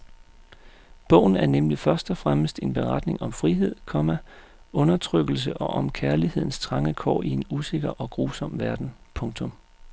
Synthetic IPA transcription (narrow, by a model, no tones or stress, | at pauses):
b̥ɔ̽ʊ̰n̩æɐnemlifɶɐsd̥ɒfʁaməsd̥e̝nb̥e̝ʁɑd̥ne̝ŋɒ̽mfʁiɦe̝ð̰ˠkʰɒ̽mæ | ɔ̽nɐt͡sʰʁœɡ̥l̩s̬əʔɒ̽ʔɒ̽mkʰæɐlihe̝ð̞̰ˠn̩st͡sʰʁɑ̈ŋəkʰɒ̰ːie̝nuse̝ɡ̥ɐʔɒ̽ɡ̥ʁuːsɒ̽m̰ʋæɐd̥n̩pʰɔ̽ŋt͡sʰɔ̽m